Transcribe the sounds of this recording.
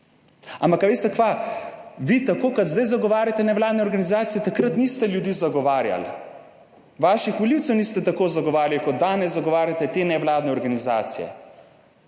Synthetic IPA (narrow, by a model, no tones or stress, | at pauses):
ampakːaʋeːst̪ɛkʋa | ʋit̪akoːkɐd̪zd̪ajzaɡɔʋaːɾʲjat̪ɛnɛʋlaːd̪nɛɔɾɡanizaːt̪ijɛt̪akɾət̪nist̪ɛljud̪iːzaɡɔʋaːɾja̰l | ʋaːʃixʋɔliwt̪sɛwnist̪ɛt̪akoːzaɡɔʋaːɾjalkɔd̪aːnɛzzaɡɔʋaːɾjat̪ɛt̪eːnɛʋlaːd̪nɛɔɾɡaniza̰ːt̪sijɛ̰